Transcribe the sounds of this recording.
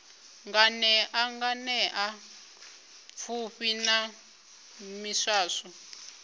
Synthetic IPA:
ŋɡanɛʔaŋɡanɛʔa | fʰuɸina | miʂaːʂɔ

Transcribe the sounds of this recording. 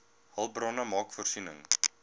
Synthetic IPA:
hɐlˠbrɑnəmɑːkfɔrsinə̰ŋ

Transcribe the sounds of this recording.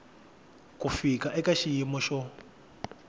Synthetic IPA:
kufikaʔɛkaʃijimɔʃɔ

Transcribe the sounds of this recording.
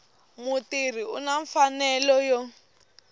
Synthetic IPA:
mutir̤iṵnaɱfanɛlɔjɔ

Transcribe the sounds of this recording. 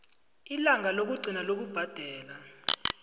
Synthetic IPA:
ilaŋʱalok̬uɡ͡ǀʱinalok̬ub̥ʱad̥ʱɛːla

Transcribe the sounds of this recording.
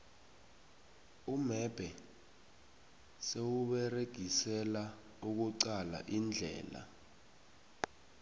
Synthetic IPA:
umɛb̥ʱɛ | sewuɓɛreɡ̥ʱisɛla | uk̬uǀala̰ʔind͡ɮʱɛ̰ːla̰

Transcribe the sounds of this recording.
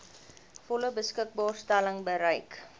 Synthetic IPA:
fɔləbəskək̚bɑːrstæləŋbəɾəjk

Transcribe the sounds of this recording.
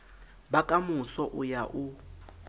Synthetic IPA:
bakʼamusɔʔujaʔu

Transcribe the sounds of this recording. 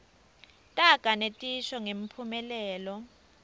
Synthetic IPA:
tʼaɡ̥ʱanetʼiʃɔŋem̩pʰumɛlɛːlɔ

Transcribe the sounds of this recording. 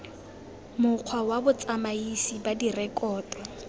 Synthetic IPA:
mʊq͡χʰwawabʊt͡sʼamaisibadirɛkɔːtwa

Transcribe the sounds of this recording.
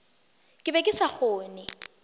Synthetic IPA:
kʼɪbɛkʼɪsaχʊːnɛ

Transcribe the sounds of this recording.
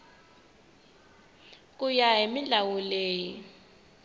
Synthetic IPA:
kʼujaemiɮawuleːji

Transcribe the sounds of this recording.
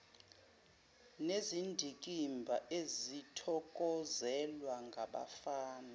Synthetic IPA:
nezindʱik̬ʼimbʱaʔezitʰɔkʼɔzɛlwaŋɡʱaɓa̰faːna

